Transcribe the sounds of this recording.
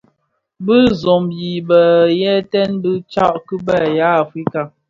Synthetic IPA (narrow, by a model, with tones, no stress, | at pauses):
bɨ˦zɔ˨mji˨bə˨jɛ˦tɛ˦nbɨ˦t͡ʃa˦ʔkə˦bɛ˦˨ja˨˦a˨fi˦ka˨